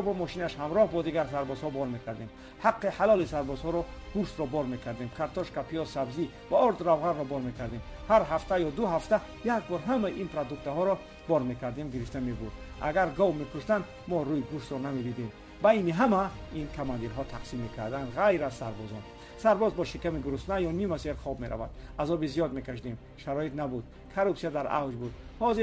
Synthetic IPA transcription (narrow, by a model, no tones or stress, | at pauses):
bɔmɔʃinaʃhamɾɔhbɔd̪iɡaɾs̬aɾbɔzhɔbɔɾme̞kʰaɾd̪em | haqːiħalɔlisaɾbɔzhɔɾɔɡ̥uʃt̪ɾɔbɔɾme̞kʰaɾd̪emkʰaɾt̪ʰɔʃkapʰiɔsabzi | vaɔɾd̪ɾavʁanrɔbɔɾme̞kʰaɾd̪emhaɾɦaft̪ʰajɔd̪uɦaft̪a | jakbɔɾɦamaiʔinpɾad̪ukt̪aɦɔɾɔ | bɔɾme̞kʰaɾd̪emɡiɾift̪amebuɾd̪ | a̰ɡaɾɡɔvmekʰuʃd̪and̪ | mɔɾuiɡuʃt̪ɾɔnamed̪id̪em | bajniɦamainkʰamand̪iɾɦɔt̪ʰaqsimːe̞kʰaɾd̪and̪ʁajɾazsaɾbɔzɔn | saɾbɔzbɔʃikamiɡuɾusnajɔnimaseɾχɔbmeɾʔa̰va̰d̪azɔbizijɔd̪me̞kʰaʃd̪em | ʃaɾɔit̪nabud̪ | kʰaɾupsijad̪aɾa̰wd͡ʒbud̪hɔzi